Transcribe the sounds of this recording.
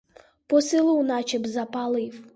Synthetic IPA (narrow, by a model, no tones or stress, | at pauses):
pɔsɪlˠuwnɑt͡ʃɪbzɐpalˠɪw